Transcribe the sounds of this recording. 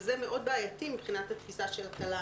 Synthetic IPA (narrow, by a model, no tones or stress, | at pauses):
zemeʔo̞d̚baːjatimibχinat̪hat̪fisaʃelakala